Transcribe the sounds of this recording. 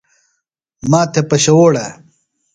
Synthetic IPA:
maːt̪ʰepɐɕɐwoːɽɐ

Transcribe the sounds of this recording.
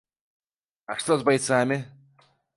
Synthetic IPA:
aʂt̪ozbajt̪saːmʲɪ

